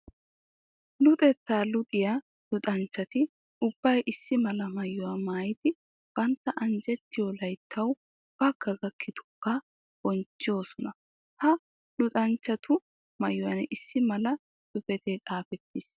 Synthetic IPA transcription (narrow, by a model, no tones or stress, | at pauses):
lʊt̪ʼɛt̪ːaːlʊt̪ʼɪjaː | lʊt̪ʼɐnt͡ʃːɐt̪ɪ | ʊb̥ːɐjʔɪsːɪmɐlɐmɐjːʊwaːmaːjɪt̪ɪ | b̥ɐnt̪ːɐʔɐnd͡ʒɛt̪ːɪjolɐjt̪ʰːɐw | b̥ɐɡɐɡɐkʰːɪt̪ʊ̥kːɐ | b̥ɔnt͡ʃːɪjo̞ːsɔnɐ | hɐ | lʊt̪ʼɐnt͡ʃːɐt̪ʰʊ | mɐjːʊwɐnʔɪsːɪmɐlɐ | sʊfɛt̪eːt̪ʼaːfɛt̪ːɪs